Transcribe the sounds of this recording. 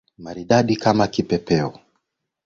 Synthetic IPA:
maɾiɗaɗikamakipɛpɛɔ

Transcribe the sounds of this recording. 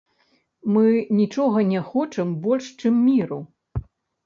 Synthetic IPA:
mɨnʲit͡ʂɔɣɐnʲɛxɔt͡ʂɨmbɔlʲʂt͡ʂɨmːʲiɾu

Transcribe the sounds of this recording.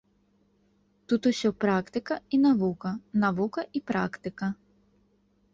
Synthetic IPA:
t̪ut̪ʊʃʲɔpɾɑkt̪ɪkɐinɐʋukɐnɐʋukɐʔipɾɑ̰kt̪ɪkɐ

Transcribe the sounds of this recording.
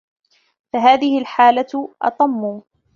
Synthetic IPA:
faɦaːðɪhɪlħaːlaʔɑ̰t̪ˤɑmːuː

